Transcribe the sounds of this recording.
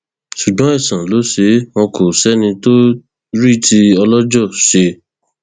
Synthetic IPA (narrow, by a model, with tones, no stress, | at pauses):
ʃu˨ɡ͡bã˨˦ɛ˦˨sã˨lo˨˦ʃe˨˦w̃ɔ̃˧kʰo˨sɛ˨˦nĩ˧to˦ | ɾi˦˨ti˧ɔ˧lɔ˦d͡ʒɔ˦˨ʃe˧